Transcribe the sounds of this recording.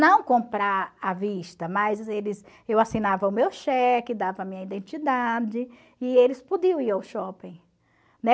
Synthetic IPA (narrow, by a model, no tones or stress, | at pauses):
nɐ̃w̃kõmpɾaɾaviʃt̪ɐmɐjzelɪz | ewasinavɐ̃ʊmewʃɛkɪd̪avɐmĩɲɐid̪ẽnt͡ʃid̪ad͡ʒɪ | ɪelɪspod̪iɐ̃w̃iɾawʃɔpẽj̃ | nɛ